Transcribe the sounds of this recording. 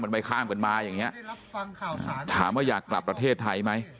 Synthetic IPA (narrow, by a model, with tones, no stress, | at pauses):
ma˧nma˥˩jkʰaː˥˩mka˧nmaː˧jaː˨˩ŋːi˦˥ɐʔ | ʔa̰ː˧˩t̪ʰa̰ː˩˦mːaː˥˩jaː˨˩kːla˨˩pːɾa˧t̪ʰeː˥˩t̪ʰːa˧jma˦˥j